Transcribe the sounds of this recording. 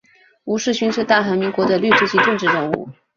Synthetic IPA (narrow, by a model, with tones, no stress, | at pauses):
u˧˥ʂɻ̩˥˩ɕy˧˥nʂɻ̩˥˧t̪a˥˩xa˧˥mi˧˥ŋkwɔ˧˥d̪ə˧ly˥˩ʈ͡ʂɻ̩u˥t͡ɕi˧˥ʈ͡ʂɤ˥˧ŋʈ͡ʂɻ̩˥˧ɻə˥˧ŋṵ˥˩